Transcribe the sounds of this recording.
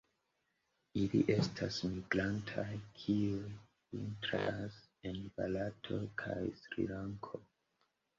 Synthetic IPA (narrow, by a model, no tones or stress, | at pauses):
iliʔe̞stʰasmiɡlantʰajkʰiu | vḭntɾas | enbalatʰo̞kʰajsɾḭlaŋkʰo